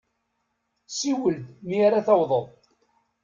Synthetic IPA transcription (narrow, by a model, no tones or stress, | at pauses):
siwəld̪miaɾaθɑwðˤəðˤ